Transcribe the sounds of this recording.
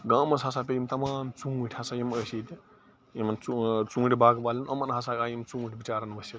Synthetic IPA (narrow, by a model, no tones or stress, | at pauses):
ɡãːmɐsasaːp̬ʲeimt̪ɐmaːmt͡sũːʈʲʰhasajiməsit̪i | imɐnt͡sut͡sũːʈʲibaːɡbaːlʲinɐmɐnɦɐs̬aːkaːjimt͡sũːʈʰʲbit͡ʃaːɾɐnʋɐsit̪